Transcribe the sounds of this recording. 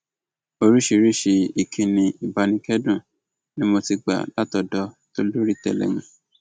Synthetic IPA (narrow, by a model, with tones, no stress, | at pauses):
o˧ɾi˦ʃi˧ɾi˦ʃe˧i˨kʰĩ˨˧nĩ˧i˨ba˨˧nĩ˧kɛ˦dũ˦˨ | nĩ˦mo˧ti˧ɡ͡ba̰˨la˨˦tɔ˧dɔ˧˦ | to˦lu˦ɾi˦˨tɛ̰˦˨lɛ̰˨mũ˧